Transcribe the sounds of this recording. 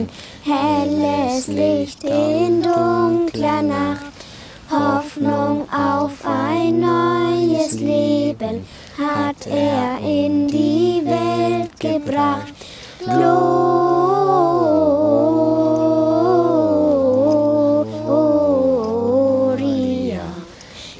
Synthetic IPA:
n | ɛɐlɛslɪçtɪndʊŋkklɐnaχt | hɔfnʊŋʔaʊfʔaɪnːɔʏəsleːbən | hatʔeːɐʔɪndivɛltɡ̥əbʁaχt | b̥lo | o | ʁi

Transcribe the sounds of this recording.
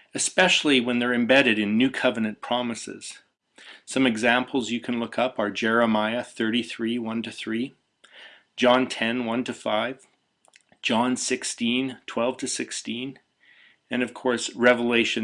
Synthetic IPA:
ɨspɛʃl̩ˠiwə̃nðə˞ɨ̃mbɛɾɨɾɨ̃nːʉkʰʌvɨnɨ̃npʰɹ̥ɑmɨsɪ̰z̥ | sʌ̃mɨɡzæ̃mpʰl̩ˠzjɨkʰɨ̃nlʊkʰʌpə˞d͡ʒɛɹɨmaɪɨθɜ˞ɾiθɹiwʌ̃ntɨθɹi̥ | d͡ʒɑ̃ntʰɛ̃nwʌ̃ntɨfaɪv̥ | d͡ʒɑ̃nsɪkstĩntʰw̥ɛlˠv̥tʰɨsɪkstĩn | ɨ̃nʌv̥kʰɔɹsɹɛvəleɪʃɨ̃

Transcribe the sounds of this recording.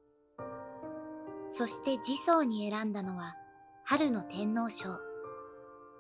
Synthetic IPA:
so̞ɕi̥t̪e̞d͡ʑiso̞ːɲ̟ie̞ɾãnd̪ano̞βahaɾɯ̟no̞t̪ẽ̞nːo̞ːɕo̞ː

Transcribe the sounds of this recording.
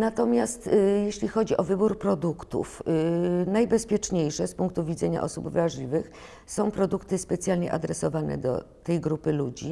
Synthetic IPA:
nat̪ɔmʲjast̪jeɕlʲixɔd͡ʑiʔɔvɘbuɾpɾɔd̪ukt̪ṵf | najbɛspʲjɛt͡ʂɲejʂɛspuŋkt̪uvʲid̪zɛɲa̰ʔɔsubvɾaʐlʲivɘx | sɔ̃w̃pɾɔd̪ukt̪ɘspɛt̪sʲjalɲɛ̰ʔa̰d̪ɾɛsɔvanɛ̰d̪ɔ̰ | t̪ɛjɡɾupɘlud͡ʑḭ

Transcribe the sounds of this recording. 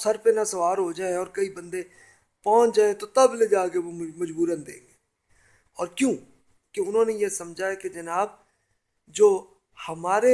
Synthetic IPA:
səɾpenasɐʋaːɾɦod͡ʒaːeɔːɾkɐibə̃nd̪e | pɔ̃ːt͡ʃd͡ʒaːẽt̪ot̪ɐbled͡ʒaːkeʋomɐd͡ʒbuːɾənd̪ḛːɡeː | ɔːɾkjõː | keʊnɦõːnejesɐmd͡ʒʱaeked͡ʒɐnaːb̚ | d͡ʒoː | həmaːɾe

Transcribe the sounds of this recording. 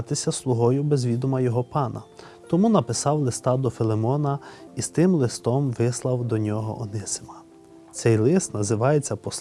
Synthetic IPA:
t̪ɪsʲɐslˠʊɦɔjʊbezʋʲid̪ʊmɐjɔɦɔpɑnɐ̰ | t̪ɔmunɐpɪsɑwlˠɪst̪ɑd̪ɔfɪlˠemɔnɐist̪ɪmlˠɪst̪ɔmʋɪslˠɐwd̪ɔnʲɔɦɔ̰ʔɔnɪsɪ̥mɐ | t̪sɛjlˠɪst̪nɐzɪʋɑjet͡sʲːɐpɔs

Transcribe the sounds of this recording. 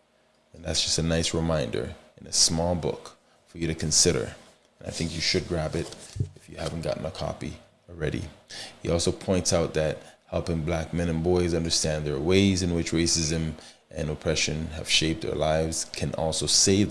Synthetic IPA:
ɨ̃nðætsd̥ʒ̥ʌstɨnaɪsɹɨmãɪ̃ndə̰˞ɨ̃nɨsmɔlˠbʊ̰k | fə˞jɨɾɨkʰɨ̃nsɪɾə̰˞ | ɨ̃naɪθɪ̃ŋkjɨʃɨd̚ɡɹæbɪɾɨfjɨhæṽn̩ɡ̥ɑ̰ʔn̩əkʰɑ̰pḭ | l̩ˠɹɛɾḭhiʔɔlˠsoʊpʰɔ̃ɪ̃ntsaʊt̪̚ðɨt̚hɛlˠpɪ̃ŋblæk̚mɛ̃ñɨ̃nbɔɪzʌ̃ndə˞stæ̃nðə˞weɪzɨ̃nwɨt͡ʃɹeɪsɪzɨ̃m | ʔɨ̰̃nɨpʰɹ̥ɛʃɨ̃nɨ̰v̥ʃeɪp̚ðə̰˞laɪvz̥kʰɨ̃nɔ̰lˠsoʊseɪ

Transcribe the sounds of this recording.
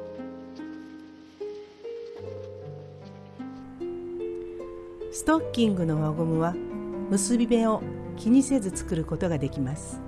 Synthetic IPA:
sɨ̥t̪o̞kʲːĩŋɡɯ̟no̞βaɡomɯ̟βamɯ̟sɨbʲime̞o̞kʲiɲ̟ise̞zɨt͡sɨ̥kɯ̟ɾɯ̟ko̞t̪o̞ɡad̪e̞kʲimasɨ̥

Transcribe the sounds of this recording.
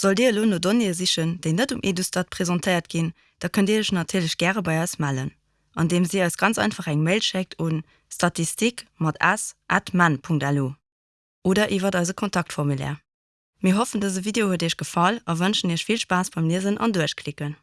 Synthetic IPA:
z̥oldiːloːnoːdoniəziʃənd̥eɪnətumʔidustɑt̚pʰʁ̥ezɑntʰəɪɐtɡin | d̥ɑːkʰəndiːɐəɕnɑtʰiːɐləɕɡ̥æːʁəbɑɪɑɪsmælə̰n | ʔɑ̰ndeːmziːɑɪsɡ̥ɑnt͡sɑ̰ˑɪnfɑχæŋməɪlʃɛk̚tʰun | stɑtʰistikmɑtʰæsʔatmænpʰuŋk̚tæluː | ʔoːdɐʔivɐdɑɪzəkʰontʰɑk̚tfɔʁmulɛ̰ːʁ | miːɐɦofəndəzəvideohuədiːʃɡ̥əfɑlɑvənʃəniːəʃfilʃpaːsb̥ɑɪmliəzənʔɑ̰nduəʃkʰlikən

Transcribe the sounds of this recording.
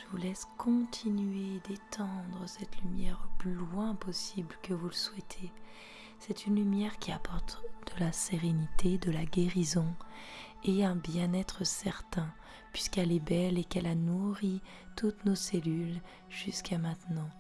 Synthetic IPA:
ʒ̥əvulɛskʰɔ̃t̪ʰinɥed̪et̪ʰɑ̃d̪ʁəsɛt̪lymjɛʁləplylwɛ̃pɔsiblkəvuləswɛt̪ʰe | sɛt̪ʰynlymjɛʁkʲiapʰɔʁt̪d̪̥əlaseʁenit̪ʰed̪əlaɡʲeʁizɔ̃ | eɛ̃bjɛ̃nɛt̪χəsɛʁt̪ɛ̃ | pɥiskɛlɛbɛlekɛlanuʁi | t̪ut̪noselyl | ʒ̥yskʰamɛ̃t̪nɑ̃

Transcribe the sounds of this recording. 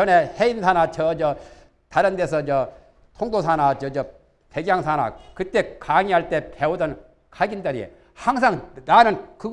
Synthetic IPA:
ʌne̞heinsʰanat͡ɕʰʌd͡ʑʌ | taɾɯndesʰʌd͡ʑʌ | tʰoŋdosʰanad͡ʑʌd͡ʑʌ | pʰeɡjaŋsʰana̰kɯt͈e̞kaŋiɦaɭt͈e̞pe̞udʌn | kʰaɡindʌɾiḛ | haŋs̬ʰaŋnanɯnkɯɡ

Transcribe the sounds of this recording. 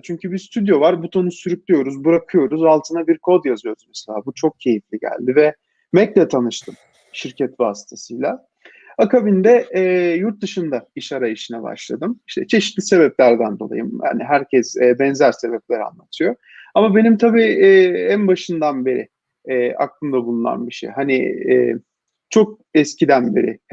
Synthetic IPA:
t͡ʃʰyɲcybiɾst̪ʰyd̪jo̞vaɾbut̪ʰo̞nusyɾyclʲijo̞ɾuzbɯɾakʰɯjo̞ɾuzalˠt̪ʰɯnabiɾkʰo̞d̪jazɯjo̞ɾuzmɛselʲaːbut͡ʃʰo̞k̚cʰe̞jiflʲiɟæ̰lʲd̪ivɛ | mɛclʲɛt̪ʰanɯʃt̪ʰɯm | ʃiɾcʰɛt̪vaːsi̥t̪ʰasɯjlˠa | akabind̪ɛːjuɾt̪̚d̪ɯʃɯnd̪aiʃaɾaiʃinɛba̰ʃlˠa̰d̪ɯmiʃt̪ʰɛt͡ʃʰe̞ʃit̪lʲise̞βɛplʲæɾd̪ænd̪o̞lˠa̰jɯmja̰ːniɦæɾcʰɛsɛːbɛnzæɾse̞bɛplʲeɾa̰nlˠat̪ʰɯjo̞ | amabe̞nimt̪ʰabiːɛːænbaʃɯnd̪anbe̞ɾɪ̰ | ɛːa̰k̚lˠɯmd̪abulˠuna̰nbiʃḛjɦanḭː | t͡ʃʰo̞k̚ | ɛscʰid̪ænbe̞̰ɾɪ̰

